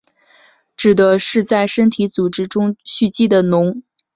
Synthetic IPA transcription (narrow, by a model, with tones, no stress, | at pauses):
ʈ͡ʂɻ̩˨˩d̪ə˦ʂɻ̩˥˧t͡sa˥˩ɪʂə˥nt̪ʰi˧˥t͡su˨˩ʈ͡ʂɻ̩˥ʈ͡ʂʊ˥ŋɕy˥˧t͡ɕi˥˩d̪ə˩nʊ˧˥ŋ